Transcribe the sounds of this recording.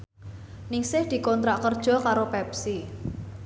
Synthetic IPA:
nɪŋsɪhd̪̥i̤kɔnt̪ɾaʔkərd̥ʒ̥ɔ̤kaɾopɛp̚si

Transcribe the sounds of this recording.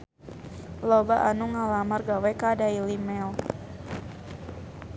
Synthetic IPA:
lɔbaʔanuŋalamarɡawɛkadailimɛl

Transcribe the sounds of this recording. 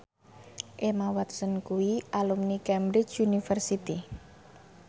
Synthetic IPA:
ʔemawat̪sənkuiʔalumnikɛmbɾɪt͡ʃunifərsit̪i

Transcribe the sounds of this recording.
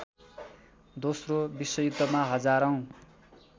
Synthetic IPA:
d̪osrobisːʌjut̪ːʌmaɦʌd͡zaɾʌw̃

